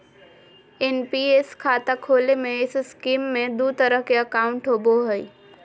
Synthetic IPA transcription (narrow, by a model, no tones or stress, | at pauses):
ɪnpieskʰaːt̪akʰoːlemẽɪsskiːmːẽd̪ut̪əɾəɦkeəkaːʊ̃ɳʈɦoːboɦəi